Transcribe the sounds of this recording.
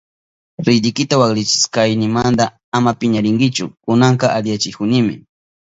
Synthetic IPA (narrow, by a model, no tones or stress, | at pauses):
ɾɪd̪ɪjkɪt̪awaklɪt͡ʃɪ̥skajnɪmand̪a | amapɪɲaɾɪŋɡɪt͡ʃʊkʊnaɴqɑʔalɪjat͡ʃɪkʊnɪmɪ̰